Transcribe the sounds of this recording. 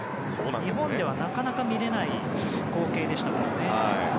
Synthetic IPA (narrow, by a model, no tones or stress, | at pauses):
soːnãɲiɦõ̞nd̪e̞β̞anakanakamʲiɾe̞nai | ko̞ːke̞ːd̪e̞ɕi̥t̪aked̪one̞a